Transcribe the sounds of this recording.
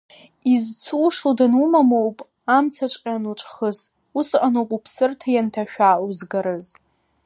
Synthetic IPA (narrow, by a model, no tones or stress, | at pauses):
izt͡sʰuːʂodanumamowpʼ | amt͡sʰaʈ͡ʂʷʼqʲʼanuʈ͡ʂʷʼχəz | usʔʼanokʷʼupʰsɨrtʰajantʰaʃᶣauzɡaɾɨz